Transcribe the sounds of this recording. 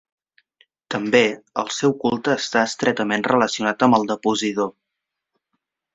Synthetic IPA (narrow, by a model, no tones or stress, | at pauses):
t̪əmbeəlˠsɛwkulˠt̪əːst̪aəst̪ɾɛt̪əmenrələsiunat̪əmbəlˠd̪əpuzit̪o